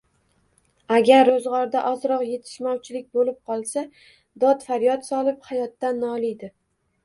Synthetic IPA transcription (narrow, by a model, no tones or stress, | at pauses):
aɡʲaɾːozʁɒɾd̪aʔɒzɾɒqje̞t̪ʰɪ̥ʃmɒwt͡ʃʰɪlɪk̚ʲbolɪp̚qʰɒlˠsa | d̪ɒt̪faɾjɒt̪sɒlˠɪphajɒt̪ːanːɒlˠɪjd̪ɪ